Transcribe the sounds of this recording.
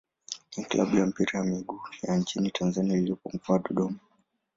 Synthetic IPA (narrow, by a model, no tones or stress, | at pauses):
iklʔa̰ɓujam̩piɾajamiɡujant͡ʃinitʰanzaniailiɔpɔm̩kuaɗɔɗɔma